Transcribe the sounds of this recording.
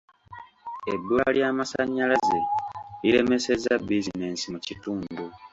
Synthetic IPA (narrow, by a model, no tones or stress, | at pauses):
ebːua̰ljaːmasa̰ɲːalazeiɾe̞me̞se̞zabizine̞ːnsimucituːndu